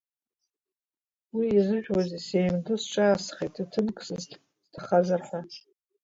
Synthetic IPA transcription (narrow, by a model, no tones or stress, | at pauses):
wiːzɨʒᶣwazise̞jmdʊsʈ͡ʂʼaːsχetʰitʰɨnkʰʼsɨz | z̥tʰaχazarħʷa